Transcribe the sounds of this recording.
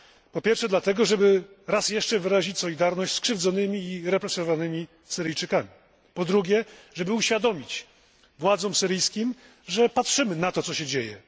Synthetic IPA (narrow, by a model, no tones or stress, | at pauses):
pɔpʲjɛɾfʂɛd̪lat̪ɛɡɔʐɛbɘ | ɾasjɛʂt͡ʂɛvɘɾaʑit͡ɕsɔlʲid̪aɾnɔɕt͡ɕʲskʂɘvd̪zɔnɘmʲiːɾɛpɾɛsɔɔvanɘmʲi | sɘɾɘjt͡ʂɘkamʲi | pɔd̪ɾuɡʲɛʐɛbɘuɕfʲjad̪ɔmʲit͡ɕ | vwad̪zɔmsɘɾɘjskʲim | ʐɛpatʂɘmɘnat̪ɔsɔɕɛd͡ʑejɛ̰